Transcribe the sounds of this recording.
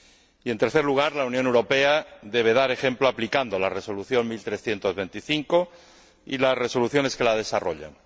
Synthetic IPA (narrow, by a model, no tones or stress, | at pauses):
ie̞nt̪eɾθe̞ɾluɣ̞aɾlaunjonewɾo̞pe̞aðe̞β̞e̞ð̞aɾe̞xẽ̞mploaplikand̪o̞lare̞so̞luθjo̞ŋmilt̪ɾesθje̞nt̪o̞zβe̞nt̪iθiŋko̞ | ḭlasre̞so̞luθjo̞ne̞ske̞lað̞e̞saro̞̰ʎa̰n